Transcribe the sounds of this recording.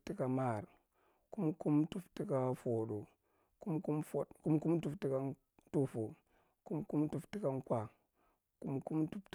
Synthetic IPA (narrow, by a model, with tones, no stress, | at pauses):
ti˦ka˨ma˦˨ɾ | ku˦mku˦mtu˦fti˦ka˦fo˨ɗo˨ | ku˦mku˦mfo˨tku˦mku˦mtu˦˨fti˦ka˦ | tu˦fo˨ | ku˦mku˦mtu˦fti˦ka˦ŋ˦kʷa˨ | ku˦mku˦mtu˦ft